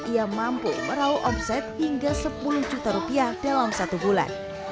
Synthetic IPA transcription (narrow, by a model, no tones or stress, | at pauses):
ʔiamampuməɾauʔɔpsɛt̪̚hiŋɡasəpuluhd͡ʒut̪aɾupiahd̥alamsat̪ubula̰n